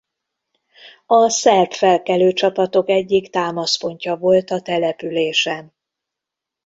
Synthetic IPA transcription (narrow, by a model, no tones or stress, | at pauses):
ɒsɛrpfɛlkɛløːt͡ʃɒpɒt̪o̞kɛɟːikt̪aːmɒspo̞ɲcɒvo̞lt̪ɒt̪ɛlɛpyleːʃɛn